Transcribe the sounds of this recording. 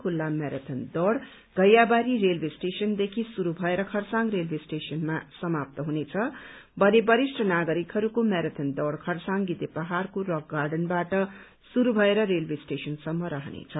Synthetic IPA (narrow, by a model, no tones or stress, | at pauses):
kʰulːameɾʌt̪ʰʌnd̪ʌɽ | ɡ̥ʱʌjabaɾiɾelbʱesʈesʌnd̪ekʰisuɾubʱʌeɾʌkʰʌrsaŋɡrelbesʈesʌnmasʌmap̚t̪ʌɦunet͡sʰʌbʱʌnebʌɾisʈʰʌnaɡʌɾikɦʌɾukomeɾʌt̪ʰʌnd̪ʌɽkʰʌrsãŋɡit̪epʌɦarkorʌɡɡarɖʌnbaʈʌ | suɾubʱʌeɾʌɾelbesʈesʌnsʌmːʌɾʌɦnḛt͡sʰʌ